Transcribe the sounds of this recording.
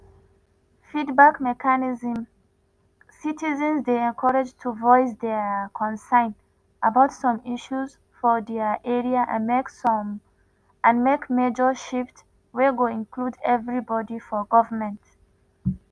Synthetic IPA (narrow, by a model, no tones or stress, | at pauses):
fidbakmɛkʰaniz̃m | sitizə̃nzdeɛ̃nkʰɔɹad͡ʒtʰuvɔɪsdɛkʰɔ̃nsãɪ̃n | ʔabaʊtsɔ̃miʃuz | fɔdɛʔɛɹiaʔã̰nmeksɔm | ʔãnmekmed͡ʒəʃift | weɡoĩnkʰludɛvɹibɔdifɔɡɔvəmɛ̃nt